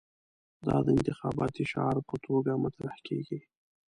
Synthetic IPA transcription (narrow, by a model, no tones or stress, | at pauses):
d̪ɑd̪əɪnt̪ɪxɑbɑt̪iʃɑɾpət̪ʰoɡamat̪ɾahkḛɡi